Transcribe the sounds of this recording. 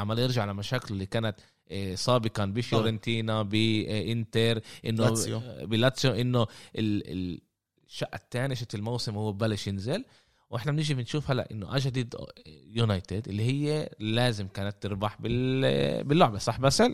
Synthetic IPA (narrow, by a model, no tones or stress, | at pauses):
ʕamːaljɪɾʒaʕalamaʃaːkɪllːikaːnat̪ | sˤɑːbɪqɑnbifjɾɪnt̪iːnabiʔɪnt̪eɾʔɪnːobɪlat̪sjoʔɪnːoʔɪlɪ̰ | ʃːaʔt̪ːaːniʃɪt̪ɪlmawsɪmhuwːebalːaʃjɪnzɪl | wʔɪħnamnɪʒimɪnʃuːfhalːa̰ʔɪnːoʔaʒd̪iːd̪junajt̪ɪd̪ʔɪlːihɪjːelaːzɪmkaːnat̪ːɪɾbaħbɪ | bɪlːʊʕbesˤɑħbasal